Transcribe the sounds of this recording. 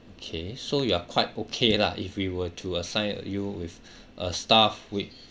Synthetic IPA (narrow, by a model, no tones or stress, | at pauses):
okʰesojuakʰwaɪt̚okʰela̰ʔifwiwətʰuəsãɪ̃n̰juwif | ʔəstafwi